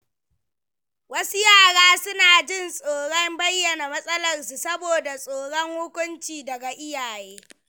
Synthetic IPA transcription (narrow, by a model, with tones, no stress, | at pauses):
wɐ˦su˦jaː˦˨ɽaː˦sʊ˦naː˨d͡ʒɪ˦nsʼoː˨ɽɔ˦mbɐ˦jːɐ˨na˨mɐ˦sʼɐ˦lɐ˨rsu˨sɐ˦boː˨da˨sʼoː˨ɽɔ˦ŋhʊ˦kʷʼʊ˦nt͡ʃiː˨dɐ˨ɡa˨ʔɪ˦jaː˨jeː˦